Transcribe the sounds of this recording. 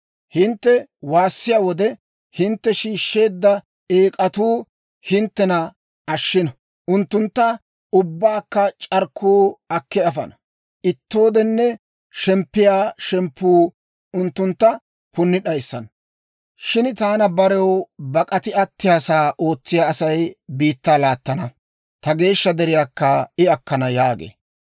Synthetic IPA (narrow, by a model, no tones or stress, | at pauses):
hɪnt̪ːɛwaːsːɪjaːwɔd̪ɛ | hɪnt̪ːɛʃiːʃːe̞ːd̪ːɐ | eːkʼɐt̪uː | hɪnt̪ːɛnɐ | ɐʃːɪnɐ | ʔʊnt̪ːʊnt̪ːɐ | ʊbːaːkːɐt͡ʃʼɐɾkʰːuːɐkːɛɐfɐ̰nɐ | ʔɪt̪ːo̞ːd̪ɛnːɛ | ʃɛmpːɪjaːʃɛmpːuː | ʊnt̪ːʊnt̪ːɐ | pʊnːɪɗɐjsːɐn | ʃɪnt̪aːnɐbɐɾɛwbɐkʼɐt̪ɪɐt̪ːɪjaːsaːʔo̞ːt͡sːɪjaːɐsɐjbiːt̪ːaːlaːt̪ːɐnɐ | t̪ɐɡe̞ːʃːɐd̪ɛɾɪjaːkːɐɪɐkːɐnɐjaːɡḛː